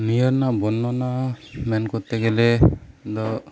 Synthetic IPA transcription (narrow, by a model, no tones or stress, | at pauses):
nijɔɾnabɔnɔnamɛnkɔt̪ɛɡɛlɛd̪ɔ